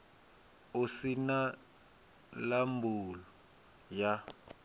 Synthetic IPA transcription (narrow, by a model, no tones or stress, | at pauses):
usina | lambʱulɔ | ja